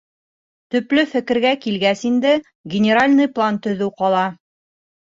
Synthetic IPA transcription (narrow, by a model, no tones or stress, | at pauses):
t̪ɵ̆plɘfɘ̆kɘ̆ɾɡækilɡæsind̪ɘ | ɡʲɪnʲɪɾalʲnɤjplˠant̪ɵ̆ðɘwqɒlˠɑ